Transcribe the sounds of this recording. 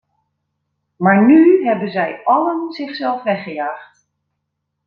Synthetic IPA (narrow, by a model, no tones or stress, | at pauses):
maːɹnyɦɛbənzɛjɑlənzɪχsɛlˠfʋɛχəjaːχt